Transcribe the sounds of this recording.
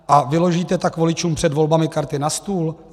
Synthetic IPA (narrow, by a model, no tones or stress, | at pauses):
ʔavɪlo̞ʒiːt̪ɛt̪akvo̞lɪt͡ʃuːmpr̥ɛdvo̞lbamɪkaɾt̪ɪnast̪uːl